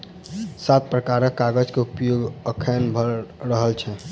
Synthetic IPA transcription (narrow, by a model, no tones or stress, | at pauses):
sat̪̚pɾəkaɾəkːaɡəd͡ʒkeupjoɡəkʰɛnbʱəɾəɦəlt͡ʃʰɛ